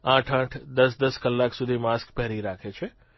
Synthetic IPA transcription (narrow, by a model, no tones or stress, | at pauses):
ãːʈʰãːʈʰd̪əsd̪əskəlːaksud̪ʱimaskpɛɦɾiɾaːkʰet͡ʃʰe